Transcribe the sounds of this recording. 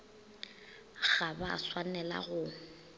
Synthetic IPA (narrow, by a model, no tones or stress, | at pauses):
ɣaba̰swanɛla̰ɣʊ